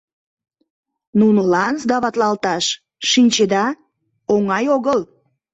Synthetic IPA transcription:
nunolɑnsd̪ɑβɑt̪lɑlt̪ɑʃ | ʃinʲt͡ɕed̪ɑ | oŋɑjoɣəl

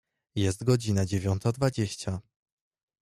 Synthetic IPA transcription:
jɛs̬t̪ɡɔd͡ʑinad͡ʑevʲjɔnt̪ad̪vad͡ʑeɕt͡ɕa

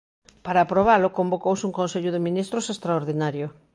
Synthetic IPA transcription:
paɾaːpɾoβ̞alʊkombokowsuŋkonseʎʊðɪmĩnist̪ɾʊsest̪ɾaoɾðinaɾjʊ

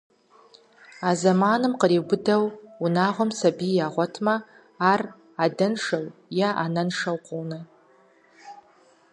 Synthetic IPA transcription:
azamanɨmqəribʊdawunaːʁʷamsabijaʁʷɔtʰmaː | r | adɨnʂawjaʔanɐnʂawqʷʼownɨ

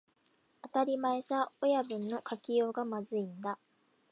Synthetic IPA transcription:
at̪aɾʲimaesaojabɯ̟̃nːo̞kakʲijo̞ːɡamazɨĩnd̪a

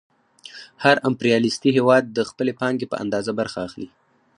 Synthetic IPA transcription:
haɾampɾijɑlist̪iɦewɑd̪̚ːəxpəlepɑŋɡepə̰ʔa̰nd̪ɑzabaɾxaːxli

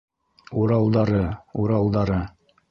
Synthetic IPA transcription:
uɾɑlˠd̪ɑɾɤuɾɑlˠd̪ɑɾɤ

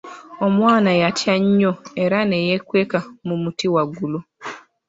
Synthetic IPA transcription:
omwaːnajatjaɲɲoeɾanejekwekamumutiwaɡulu

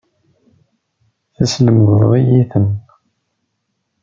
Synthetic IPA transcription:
θæsləmɡðɾˤijiθən

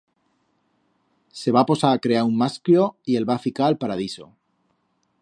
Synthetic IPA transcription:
se̞β̞apo̞saakɾe̞aummasklo̞ie̞lβafikaːlpaɾað̞iso̞̰

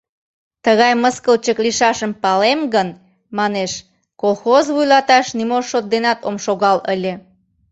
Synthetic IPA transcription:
t̪əɣɑjməskəlt͡ɕəkliʃɑʃəmpɑlemɡən | mɑneʃ | kolˠxozβujlɑt̪ɑʃnimoʃot̪̚d̪enɑt̪omʃoɣɑləlʲe

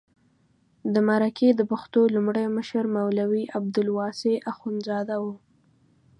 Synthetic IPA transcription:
d̪əmaɾakʰed̪əpaxt̪olumɽəjməʃəɾmawlawiʔab̚d̪ʊlwɑseʔaxunzɑd̪awu

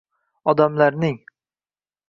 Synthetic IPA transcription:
ɒd̪amlaɾnɪŋ

